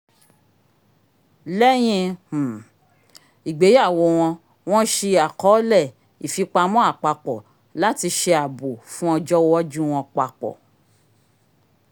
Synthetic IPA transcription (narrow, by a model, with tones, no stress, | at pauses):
lɛ˦j̃ĩ˧h̩˨ | i˨ɡ͡be˨˦a˦˨wo˧w̃ɔ̃˧ | w̃ɔ̃˦ʃe˧a˨kɔ˨˦lɛ˦˨ | i˨fi˧k͡pa˧mɔ̃˦a˦˨k͡pa˧k͡pɔ˨ | la˦ti˧ʃe˧a˨bo˨fũ˦ɔ˧d͡ʒɔ˦wɔ˦d͡ʒũ˦w̃ɔ̃˧k͡pa˧k͡pɔ̰˨